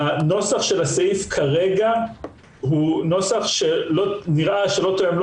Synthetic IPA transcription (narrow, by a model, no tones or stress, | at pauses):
no̞saχʃe̞lasaifkʰaʁe̞ɡa | ɦuno̞saχʃeloniʁʔaʃelo̞t̪ojeml